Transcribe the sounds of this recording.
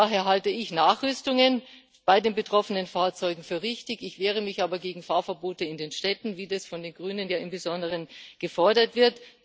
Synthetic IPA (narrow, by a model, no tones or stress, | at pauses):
aːɦeːɐɦaltəɪçnaːχʁ̥ʏstʊŋən | b̥aɪdeːnbətʁ̥ɔfənənfaːɐt͡sɔʏɡŋ̩fyːɐʁɪçtɪçɪçv̥eːʁ̞əmɪçʔaːbɐɡeːɡŋ̩faːɐfɛɐboːtəɪndeːnʃtɛtn̩viːdasfɔndeːnɡʁyːnənjaːɪmbəzɔndəʁənɡ̥əfɔɐdɐtv̥ɪɐt